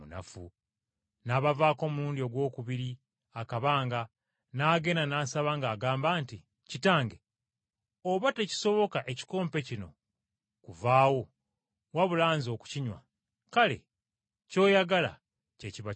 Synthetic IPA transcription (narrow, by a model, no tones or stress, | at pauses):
una̰fṵ | naːβavaːko̞ːmuɾuːndio̞ɡwo̞ːkuβiɾi | akaβaːŋɡa | naːɡe̞nanaːsaβaːŋɡaːɡaːmbaːnti | citaːŋɡe | oβateci̥so̞βo̞kaʔe̞ci̥ko̞ːmpe̞cino̞̰ | kuvaːwo̞ | waβulaːnzo̞ːku̥ciɲwa̰ | kale̞̰ | co̞ːjaɡala̰ | ce̞ciβa